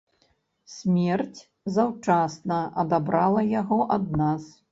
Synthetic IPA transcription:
sʲmʲɛrt͡sʲ | zawt͡ʂasnɐʔɐd̪abɾalˠɐjaɣɔʔɐd̪̚nas

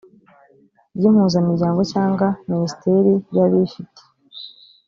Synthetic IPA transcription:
jim̥huːzamiɾɟaːŋɡo̞caːŋɡaminisi̥teɾijaβifite̥

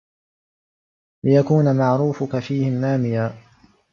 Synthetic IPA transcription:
lɪjakuːnamaʕɾuːfʊkafiːhɪmnaːmɪjaː

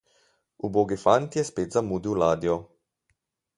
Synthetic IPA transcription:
uboːɡifant̪jɛspeːt̪zamuːd̪iwlaːd̪ijɔ

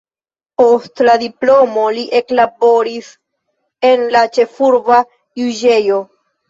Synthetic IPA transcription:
po̞stladiplo̞mo̞liʔe̞klabo̞ɾis | e̞nlat͡ʃe̞fuɾva | juʒe̞jo̞

